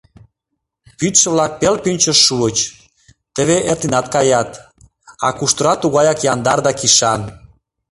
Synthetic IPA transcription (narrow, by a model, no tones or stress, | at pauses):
pyt̪ʃə̆βlɑk̚pelpynʲt͡ɕəʃːuət͡ɕ | t̪ə̆βeʔert̪inɑt̪kɑjɑt̪ | ɑ̰kuʃt̪əɾɑt̪uɣɑjɑkjɑnd̪ɑrd̪ɑkiʃɑn